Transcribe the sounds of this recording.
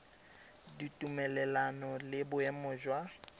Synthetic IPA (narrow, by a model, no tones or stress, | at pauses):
ditʼumɛlɛlanɔlɪbʊɛmʊːʒwa